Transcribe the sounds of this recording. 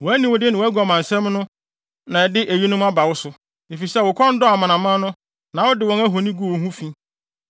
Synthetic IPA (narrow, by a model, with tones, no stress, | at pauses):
wɔ˨æ˦nĩ˨wʊ˨dɪ˦nɪ̃˨wɔ˨æ˦ɡɔ˨mã˨n̩˨sɛ̃˦mnʊ̃˦ | nã˨ɛ˨dɪ˦ʔe˨ji˦nʊ̃˦ma˦ba˨wʊ˦sʊ˨ | e˨fi˨sɛ˦˨wʊ˨kʰɔ̃˦n̩˦dɔ˦a˨mã˨nã˨mã˦nʊ̃˦ | nã˨wɔ˦dɪ˨wɔ̃˨ŋæ˦ɦo˨nĩ˦ɡu˦˨o˨ɦũ˦fĩ˦